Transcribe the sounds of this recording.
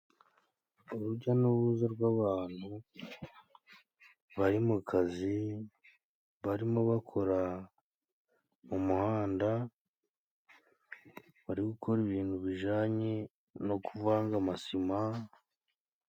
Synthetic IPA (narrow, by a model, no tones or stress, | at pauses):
uɾuɾɟanuβuzaɾɡwaβaːn̥hu | βaɾimukazi | βaɾimo̞βakʰo̞ɾa | mumuhaːnda | βaɾiɡukʰo̞ɾiβiːn̥huβiʒaːɲe | no̞kuvaːŋɡamasima